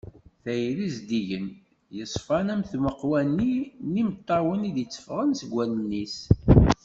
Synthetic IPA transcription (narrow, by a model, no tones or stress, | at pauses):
θæjɾizd̪iʝən | jəsˤfɑnæmθməqwænːinimət̪ˤːɑwəniðət͡sːə̥fʁənsəɡʷːælənːis